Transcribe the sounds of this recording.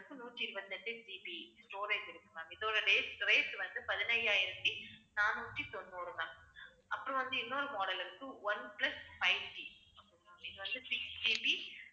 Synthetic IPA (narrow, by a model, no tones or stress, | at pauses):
kːɯnuːʈːiːɾɯbɐt̪ːɐt̪ːeʈiːpisʈoːɾeːsɪɾɯkːɐnãːɪðoːɾɐɖeːsɾeːʈːʋɐnd̪ɯpɐðɪnɐjaːjɪɾɐt̪ːinaːnuːʈːit̪ɔnːɯoːɽɯnãː | ʔɐpːɯɾõʋɐnd̪ɯɪnːoːɾɯmoːɽɐlɯkːɯʋɐnplɐsfɐɪʋʈiɐpːɽunɪðɯʋɐnd̪ɯsɪksʈiːpi